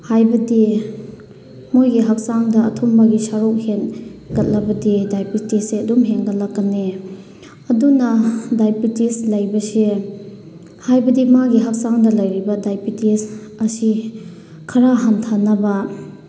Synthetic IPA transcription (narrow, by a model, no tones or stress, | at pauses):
hajbɐdi | mojɡiɦɐk̚saŋdɐɐtʰombɐɡisaɾok̚henɡɐt̚lɐbɐdidajpitiseɐdumɦeŋɡɐl̚lːɐkːane | ɐdunɐdajpitislɐjbɐse | hajbɐdimaɡiɦak̚saŋdɐlɐjɾibɐdajpitisɐsi | kʰɐɾaɦantʰanɐbɐ